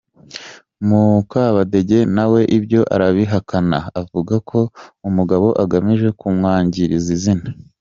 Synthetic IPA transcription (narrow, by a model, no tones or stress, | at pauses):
mukaβade̞ɟe̞nawe̞ʔibjo̞ʔa̰ɾaβiɦakʰanaavuɡakʰo̞umuɡaβo̞ʔaɡamiʒe̞kumŋaːɲɟiɾizizina